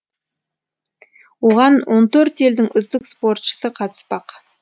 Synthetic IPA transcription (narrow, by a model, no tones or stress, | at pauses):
woʁɑnwo̞nt̪ʰɵɾt̪e̞ld̪ɪŋʏzd̪ɪkspo̞ɾt̪ʃə̥səqʰɑt̪ʰə̥spɑq